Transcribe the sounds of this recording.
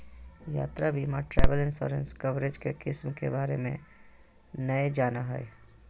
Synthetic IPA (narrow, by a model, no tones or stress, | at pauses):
ja̰ːt̪ɾabʱimaʈɾɛːʋəlɪ̃nsɔ̰ːɾẽnskəʋɾed͡ʒkekɪsmkḛbaːɾemḛ̃ | nəed͡ʒaːnaɦɛ̰ɛ